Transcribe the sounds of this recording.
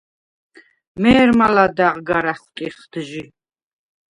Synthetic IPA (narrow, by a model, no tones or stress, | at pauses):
mɛːɾmalad̪aʁɡaɾaχwt̪ʼiχd̪̥ʒi